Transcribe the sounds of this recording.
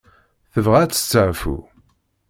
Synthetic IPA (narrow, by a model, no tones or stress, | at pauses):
θəvʁæt͡sːə̥t͡sːəʕfṵ